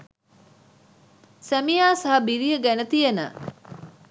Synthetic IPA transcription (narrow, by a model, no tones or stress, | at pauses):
sæmijaːsɐɦɐbiɾijəɡænət̪ijenə̰